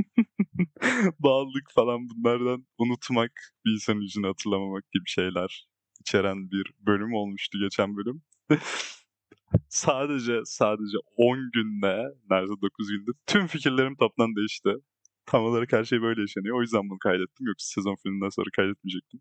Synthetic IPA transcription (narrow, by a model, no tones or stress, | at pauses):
baːlˠɯkfalˠanbunlˠaɾd̪anunut̪ʰmakbiinsanid͡ʒinɯhat̪ʰɯɾlˠamamak̚ɟ̥ibiʃe̞jlʲæɾ̥ | it͡ʃʰe̞ɾænbiɾbø̞lʲymo̞lˠmuʃt̪ʰuɟe̞t͡ʃʰænbø̞lʲym | saːd̪e̞d͡ʒɛsaːd̪e̞d͡ʒɛo̞nɟynd̪ɛnæɾsɛd̪o̞kʰuzɟynd̪ɛt̪ʰymficiɾlʲe̞ɾimt̪ʰap̚t̪ʰand̪ejiʃt̪ɪ | t̪ʰamalˠaɾɯkhæɾʃe̞jbø̞jlʲɛjaʃanɯjoojyzd̪æmbunkʰajd̪ɛt̪ʰːimjoksi̥sezo̞nfilʲmʲind̪ænsonɾakʰajd̪ɛt̪mid͡ʒɛc̚t̪ʰin